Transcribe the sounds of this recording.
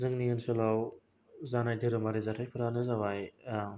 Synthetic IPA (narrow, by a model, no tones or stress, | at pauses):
zɯŋniŋɯnsɯlaw | zanajdʰɯɾɯmaɾizatʰajpʰɯɾanɯzawaj